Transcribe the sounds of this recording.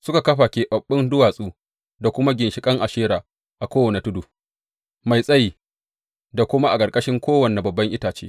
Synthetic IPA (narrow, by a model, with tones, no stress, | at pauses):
sʊ˦ka˨kɐ˦ɸaː˨kʲeː˨ɓɐ˨ɓːɪ˦ndʊ˦waː˨sʼuː˦ | da˨kʷʊ˦ma˦ɡʲɪ˨nʃɪ˨kʼɐ˦ŋʔa˨ʃeː˦ɾaː˨ | ʔa˨kʷoː˦wɐ˨ne˨tʊ˦duː˨ | ma˨jsʼɐ˦ji˨ | da˨kʷʊ˦ma˦ʔa˨kʼɐ˨ɾkʼɐ˦ʃɪ˦ŋkʷoː˦wɐ˨ne˨bɐ˨bːɐ˦ŋʔɪ˦taː˨t͡ʃeː˦